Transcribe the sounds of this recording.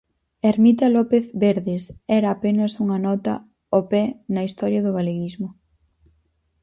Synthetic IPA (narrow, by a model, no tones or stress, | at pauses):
eɾmit̪ɐlɔpeθβeɾðɪsɛɾɐːpenɐsuŋɐnɔt̪ɐ̰ | opɛnɐist̪ɔɾjɐðʊɣaleɣizmʊ